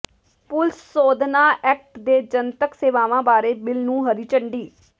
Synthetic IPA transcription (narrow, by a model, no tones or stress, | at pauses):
pʊlsːoːd̪naːʔɛːk̚ʈd̪eːd͡ʒənt̪əkseːʋaːʋãːbaːɾeːbɪlnũːɦəɾiːt͡ʃəɳɖiː